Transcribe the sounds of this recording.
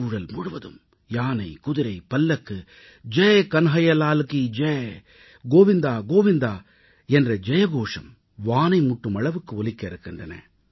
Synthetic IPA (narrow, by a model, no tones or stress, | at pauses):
ʊɻɐlmʊɽʊʋɐðɯ̰m | jaːnɐɪkʊðɪɾɐɪpɐlːɐkːɯ | d͡ʒekɐnɦɐjɐlaːlkid͡ʒe | ɡoːʋɪnd̪aːɡoːʋɪnd̪aː | ɛndrɐd͡ʒɛjɐɣoːʂɐ̰m | ʋaːnɐɪmʊʈːɯmɐɭɐʋɯkːɯɔlɪkːɐɪɾɯkːɪndrɐnɐ̰